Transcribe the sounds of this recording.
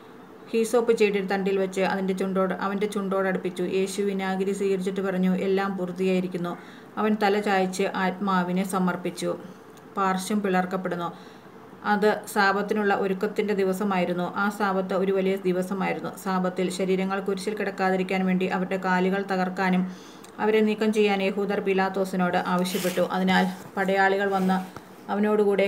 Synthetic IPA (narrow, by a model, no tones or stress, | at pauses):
hiːso̞ːpːɨt͡ɕe̞jʈ̬ːiɽɨt̪ɐɳɖilʋɐt͡ɕːɨɐ̰ðinde̞t͡ɕuɳɖo̞ːɽɨʔɐʋɐnde̞t͡ɕuɳɖo̞ːɽɐɽupːit͡ɕːujʔe̞ːɕuʋinaːɡɐɾjɐsiːkɐɽit͡ɕːiʈːɨpɐrɐɲːuʔe̞lːaːmpurut̪ːijaːjiɾikʲːunːu | ɐʋɐnt̪ɐlɐt͡ɕaːjit͡ɕːɨʔaːt̚maːʋinɨsɐmːɐrpit͡ɕːu | paːrɕɐmpiɭɐrkːɐpːe̞ɽunːu | ɐðɨsaːbɐt̪ːinuɭːɐʔo̞ɾukːɐt̪ːinde̞d̪iʋɐsɐmaːjiɾunːuʔaːsaːbɐt̪ːɨo̞ɾuʋɐlijɐd̪iʋɐsɐmaːjiɾunːusaːbɐt̪ːilɕɐɾiːɾɐŋːɐɭkuɾut͡ɕːilkiɽɐkːaːðiɾikʲːaːnʋe̞ːɳɖiʔɐʋɐɾɽe̞kaːliɣɐɭt̪ɐɣɐrkaːnum | ɐʋɐɾe̞niːkːɐmt͡ɕe̞jːaːnjeɦuːd̪ɐrpilaːt̪ːo̞ːsino̞ːɽɨʔaːʋɐɕjɐp̬ːe̞ʈːuʔɐðinaːlpɐɽɐjaːɭiɣɐɭʋɐnːɐ | ɐʋɐno̞ːɽɨkuːɽe̞